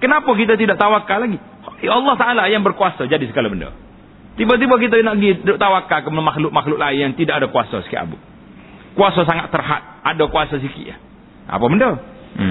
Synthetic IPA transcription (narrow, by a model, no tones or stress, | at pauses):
kənapakit̪̬at̪idaʔt̪awakalaɡi | ɑlˠːɑht̪aʔalajaŋbərkuasad͡ʒadisəkalabəndo̰ | t̪ibat̪̬ibak̬it̪̬anaɡit̪idaʔt̪awakakəmanamaxlʊk̚maxlʊk̚laɪnjaŋt̪idaʔadakuasɔ̰si̥kḭʔa̰bṵ | kuasas̬aŋat̪ːərɦa̰t̪̚adakuasas̬ikḭa̰ | a̰pabəndo